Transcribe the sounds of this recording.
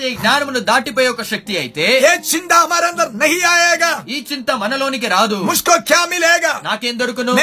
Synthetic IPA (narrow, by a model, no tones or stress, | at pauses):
iɡɲaːnɐmnud̪aːʈip̬oːjeɔkːɐʃɐk̚t̪iɐjit̪e̞ːeːt͡ʃint̪amɐɾɐnd̪ɐɾneɦijaːjeːɡɐiːt͡ʃint̪ɐmɐnɐlo̞ːnikiɾaːd̪umuʂkoːkjaːmileːɡɐnaːkeːnd̪oɽukunum